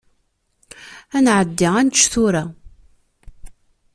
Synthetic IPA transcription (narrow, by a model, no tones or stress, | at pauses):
ænʕəd̪ːiænt͡ʃːθʊɾa